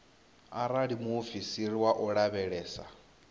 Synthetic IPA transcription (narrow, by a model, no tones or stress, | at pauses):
aɾaɺimuːfisiɾiwaʔɔɺaβɛɺɛːsa